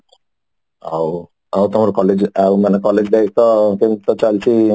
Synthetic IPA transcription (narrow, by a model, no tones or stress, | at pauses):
aw | awt̪omaɾkɔled͡ʑawmanekɔled͡ʑd̪ekʰt̪ɔkent̪ɔt͡ɕalt͡ɕʰi